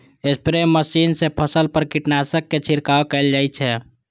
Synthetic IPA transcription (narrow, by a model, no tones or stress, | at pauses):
espɾemːəsiːnsepʰəsəlpəɾkiʈnasəkːet͡ʃʰiɾkaːokɛɪld͡ʒaːit͡ʃʰɛ